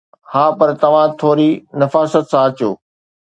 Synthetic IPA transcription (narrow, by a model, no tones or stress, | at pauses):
hãːpɐɾt̪ɐʋ̤ãt̪ʰoːɾinɐfaːsət̪sãɐt͡ɕjoː